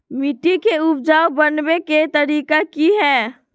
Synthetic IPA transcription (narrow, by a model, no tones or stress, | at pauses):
miʈikeupd͡ʒaobənbeket̪əɾikakiɦɛː